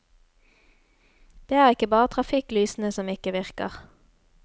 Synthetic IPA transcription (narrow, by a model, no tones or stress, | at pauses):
d̪̥eːæːʁɪkəbɑːʁət̪ʰʁɑfɪklyːsn̩əsɔmɪkəʋɪʁkə̰ʁ